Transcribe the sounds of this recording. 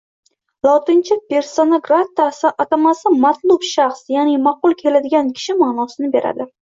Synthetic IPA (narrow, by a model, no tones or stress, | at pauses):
lˠɒt̪ɪnt͡ʃʰɪpʲe̞ɾsonoɡɾat̪ːasɪʔat̪amasɪmat̪lˠʊbʃaχsjanimaqʊlˠkʲʰe̞lad̪ɪɡʲankʲʰɪ̥ʃɪmaːnɒsɪnɪbe̞ɾa̰d̪ɪ